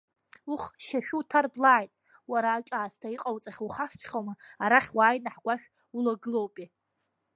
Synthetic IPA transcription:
uχʃaʃᶣutʰarblaʕːjtʼ | waɾaːkʲʼaːstʰaiqʼawt͡sʼaχʲuχaʃt͡ʃʰχʲowmaaɾaχʲwaːjnaħɡʷaʃᶣ | ulaɡɨlowpʼi

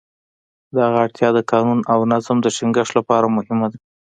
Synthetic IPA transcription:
d̪əhaɣaaɽt̪ʰjɑd̪əkɑnunawnazmd̪əʃɪŋɡəʂt̪lapɑɾamʊhɪmad̪a

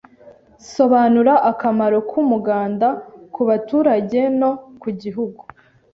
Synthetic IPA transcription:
so̞βanuɾaʔakamaɾo̞kʰumuɡaːndakuβatuːɾaɟe̞no̞kuɟiɦuɡu

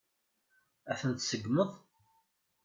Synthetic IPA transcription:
æθənt̪səɡməðˤ

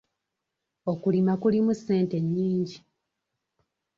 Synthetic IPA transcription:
o̞kulimakulimusːe̞ːnte̞ɲːiːɲɟi

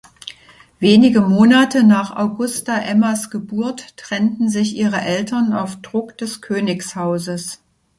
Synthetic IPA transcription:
veːnɪɡəmoːnatənaːχa̰ʊɡʊstaʔɛmɐsɡ̥əbuɐtːʁ̥ɛntn̩zɪçʔiːʁəʔɛltɐna̰ʊfd̥ʁʊkd̥ɛskʰøːnɪkshaʊzəs

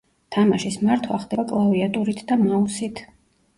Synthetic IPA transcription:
t̪ʰamaʃismaɾt̪ʰwaχd̪ɛbakʼlˠaviat̪ʼuɾit̪ʰd̪amausit̪ʰ

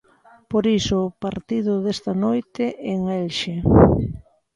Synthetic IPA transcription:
poɾisʊpaɾt̪iðʊðest̪anojt̪eʔeŋɛlʃe

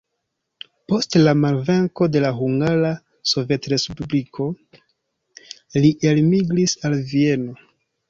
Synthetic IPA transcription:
po̞stlamalve̞ŋko̞de̞laɦuŋɡaɾa | so̞vje̞tɾespublikʰo̞ | liʔelmiɡɾisalvie̞no̞

